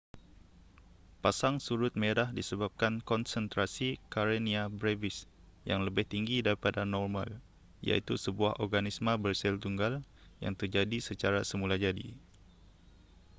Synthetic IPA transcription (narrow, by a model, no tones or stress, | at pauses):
pasaŋsuɾʊt̪̚mẽɾahdisəbap̚kankɔnsənt̪ɾasikaɾeniabɾevɪs | jaŋləbɪht̪iŋɡidaɾipadanɔrmã̰l | ija̰ʔit̪usəbuahɔrɡanismə̃bərsɛlt̪uŋɡal | ja̰ŋt̪ərd͡ʒadisət͡ʃaɾasəmulad͡ʒadḭ